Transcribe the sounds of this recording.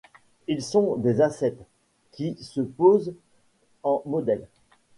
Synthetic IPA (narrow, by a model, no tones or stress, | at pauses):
ilsɔ̃d̪ezasɛt̪ | kʲisəpoz | ɑ̃mɔd̪ɛl